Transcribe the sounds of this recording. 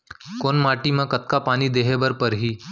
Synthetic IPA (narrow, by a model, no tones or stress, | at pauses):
konmaʈimə̃kət̪̚kapañiːd̪eɦebəɾpəɾɦiː